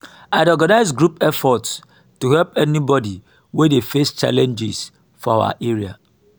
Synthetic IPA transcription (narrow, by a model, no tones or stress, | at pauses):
aɪdɔɡanaɪzɡɹupɛfɔts | tuhɛlpɛnibɔdi | wedefest͡ʃa̰lɛ̃nd͡ʒɪs | fɔawa̰ʔeɹia̰